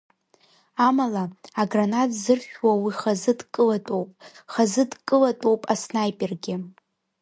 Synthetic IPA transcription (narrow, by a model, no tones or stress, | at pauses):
amalaːɡranatʰʼzɨrʃᶣwawiχazɨdkʼɨlatʼowpʼχazɨdkʼɨlatʼowpʼasnajpʼirɡʲɪ